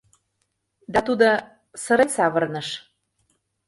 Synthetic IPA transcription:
d̪ɑt̪ud̪ŏ | sɤ̆ɾensɑβərnɤ̆ʃ

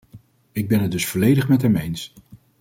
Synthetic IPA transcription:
ɪɡ̚bɛnɦədɵsfɔlejdəχmɛtɦɛmejns

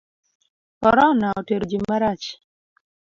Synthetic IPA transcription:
kɔɾɔnaɔteɾod͡ʒimaɾat͡ʃ

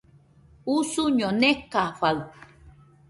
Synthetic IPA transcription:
usuɲonekaɸaɯ

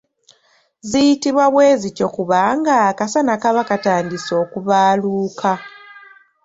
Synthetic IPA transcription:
zijitiβwaβweːzico̞kuβaŋɡakasanakaβakataːndiso̞ːkuβaːluːkʰa

